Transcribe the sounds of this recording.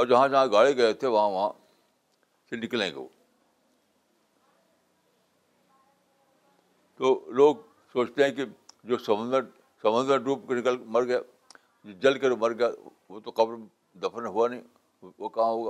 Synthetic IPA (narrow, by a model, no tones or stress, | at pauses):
ɔːɾd͡ʒɐɦãd͡ʒɐɦãɡaːɭeɡɐet̪ʰeʋɐɦãʋɐɦã | senɪkəlḛ̃ːɡḛo̰ː | t̪oːloːɡ | soːt͡ʃt̪eɦɛ̃kid͡ʒoːsɐmə̃nd̪ | sɐ̃mə̃nd̪ə̃ɖuːpkenɪkəlmɐɾɡɐja | d͡ʒɐlkeɾmɐɾɡɐja | ʋot̪oqɐbɾ | d̪ɐfʰənɦuanĩ | okɐɦãɦoːɡa